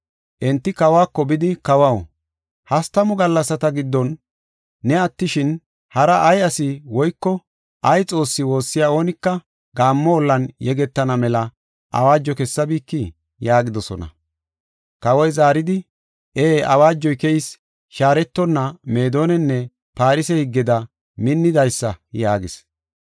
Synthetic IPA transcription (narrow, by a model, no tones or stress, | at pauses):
ʔɛnt̪ːɪkɐwaːkːɔbɪd̪ɪkɐwɐw | hɐst̪ɐmɔɡɐlːɐsɐt̪ɐɡɪd̪ːɔnː | ɛɐt̪ːɪʃɪn | hɐɾɐʔɐjɐsɪwɔjkːɔ | ʔɐjt͡sʼo̞ːsːɪwo̞ːsːɪjaːo̞ːnɪkːɐ | ɡaːmːɔɔlːɐnjɛɡɛt̪ːɐnɐmɛlɐ | ʔɐ̰waːd͡ʒːɔkɛsːɐbiːkːɪ | jaːɡɪd̪ɔsɔnɐ̰ | kɐwɔjzaːɾɪd̪ɪ | eːɐ̰waːd͡ʒːɔjkɛjɪs | ʃaːɾɛt̪ːɔnːɐme̞ːd̪o̞ːnɛnːɛ | paːɾɪsɛhɪɡːɪd̪ɐ | mɪnːɪd̪ɐjsːɐjaːɡɪs